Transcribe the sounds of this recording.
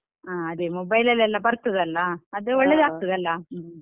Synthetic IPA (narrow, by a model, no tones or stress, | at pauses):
aːɐd̪emɔbɐjlɐlːɛlːɐbɐɾt̪ːɐd̪ɐlːɐɐd̪eɔɭːed̪aːɡ̚t̪ɐd̪ɐlːɐ